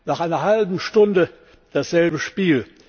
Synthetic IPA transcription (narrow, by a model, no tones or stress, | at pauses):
naːχʔaɪnɐhalbm̩ʃtʊndə | d̥asz̥ɛlbəʃpiːl